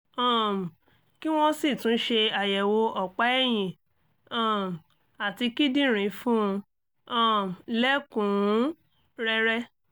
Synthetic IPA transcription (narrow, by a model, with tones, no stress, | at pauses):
ɔ̃˦˨m˨ | ki˦w̃ɔ̃˦si˦˨tũ˨˦ʃe˧a˨jɛ˨wo˧ɔ˨k͡pa˨˦ɛ˦˨j̃ĩ˨ | ɔ̃˦˨m˨ | a˨ti˧ki˦dĩ˦˨ɾ̃ĩ˨˦fũ˦ũ˧ | ɔ̃˦˨m˨lɛ˦kũ˨˦ | ɾɛ˧ɾɛ˦